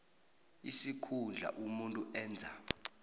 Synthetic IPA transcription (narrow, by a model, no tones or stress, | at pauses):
isikʰund͡ɮʱa̰ʔumuntʼuɛːnd͡zʱa